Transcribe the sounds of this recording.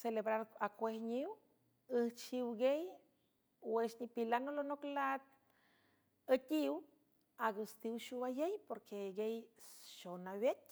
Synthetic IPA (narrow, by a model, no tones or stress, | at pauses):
selebɾaɾakʷehɲiw | əht͡ʃiwɡej | weʃɲipilanolonoklat̪̚ | ət̪ʲiw | aɡust̪iwʃuajejpoɾkʰeɡejʃonawjet̪̚